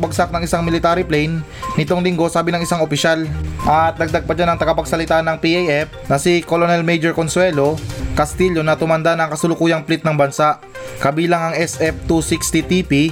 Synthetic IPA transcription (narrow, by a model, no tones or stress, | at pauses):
bɐɡ̚sak̚nɐŋɪsaŋmɪlɪt̪aːɾɪplɛjnː | ɪt̪o̞ŋlɪŋɡo̞saːbɪnɐŋɪsaŋopɪʃalʔɐt̪̚nɐɡ̚d̪aɡ̚pɐd͡ʒanɐŋt̪ɐɡɐpɐɡ̚sɐlɪt̪anɐŋpiʔejʔɛf̚nɐsɪkolonɛlmɛjd͡ʒoɹkonswɛlo̞kɐst̪iʎo̞nɐt̪ʊmɐnd̪anɐŋkɐsʊlʊkuːjɐŋplɪt̪̚nɐŋbɐnsaʔ | kɐbiːlɐŋɐŋɛsʔɛf̚t̪usikst̪it̪ipi